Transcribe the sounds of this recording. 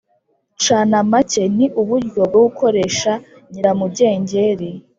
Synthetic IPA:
t͡ʃaːnamace̞niʔuβuɾɡo̞b̚ɡoɡukʰo̞ɾe̞ʃa | ɲiɾamubɟe̞ːɲɟeɾi

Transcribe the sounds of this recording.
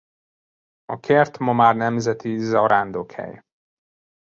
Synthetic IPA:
ɒkʰert̪mɒmaːrnɛmzɛt̪izɒɾaːnd̪okhɛ̰j

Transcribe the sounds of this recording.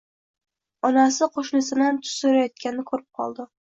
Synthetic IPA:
ɒnasɪqʰoʃnɪsɪnant̪ʰʊ̥soɾajɒt̪̚kʲanɪkʰɵɾɪp̚qʰɒ̰lˠd̪ɪ

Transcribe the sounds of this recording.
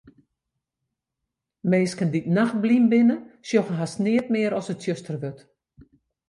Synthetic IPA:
meːskənditnax̚blimbɪnəsjoxəɦasnɪətmɪəɾɔsətsjøstərʋøt

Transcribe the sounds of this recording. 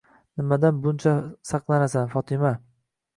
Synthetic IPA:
nɪmad̪anbʊnt͡ʃʰasɑqlˠanasanfɒt̪ʰɪma

